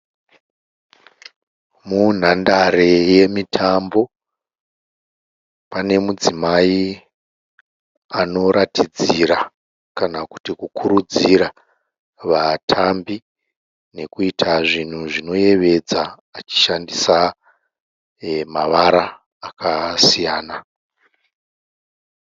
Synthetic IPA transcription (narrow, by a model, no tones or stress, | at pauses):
mun̤andaɾe̞je̞mitʰambo̞ | pane̞mud͡zimai | ano̞ɾatid͡ziɾa | kanaku̥tikukʰuɾud͡ziɾa | ʋatʰambi | ne̞kuitʰaʐin̤uʐino̞je̞ʋe̞d͡zaː | t͡ʃi̥ʃandisa | maʋaɾaː | kʰasijaːna